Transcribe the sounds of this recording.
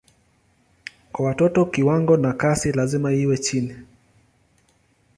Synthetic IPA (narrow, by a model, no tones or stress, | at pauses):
kwawatɔtɔkiwaŋɡɔnakasilazimaiwɛt͡ʃini